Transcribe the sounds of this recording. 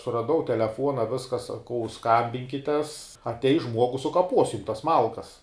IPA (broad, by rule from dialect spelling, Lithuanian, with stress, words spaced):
sʊrɐˈdɐʊ tʲɛlʲɛˈfuɔnɐ ˈʋʲɪskɐ sɐˈkɐʊ skɐmʲbʲɪŋʲkʲɪtʲɛs ɐtʲˈɛɪs ˈʒmuɔɡʊs sʊkɐˈpoːs jʊm tɐs ˈmɐlˠkɐs